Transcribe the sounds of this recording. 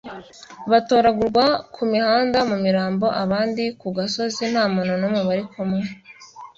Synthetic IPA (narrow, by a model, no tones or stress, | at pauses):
βato̞ːɾaɡuɾɡwakʰumihaːndamumiɾaːmbo̞ʔaβaːndikuɡaso̞zin̥haːmononomeβaɾikʰomŋe